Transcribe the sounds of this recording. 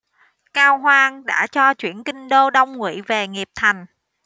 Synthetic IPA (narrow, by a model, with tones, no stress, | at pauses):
kaː˧wɦwaː˧ŋɗa̰ː˧˥t͡ɕɔ˧t͡ɕwḭ˧˩ənkï˧ŋ̟ɗo˧ɗə˧wŋ͡mŋwḭ˧˨ve˨˩ŋi˨˩əp̚t̪ʰa˨˩jŋ̟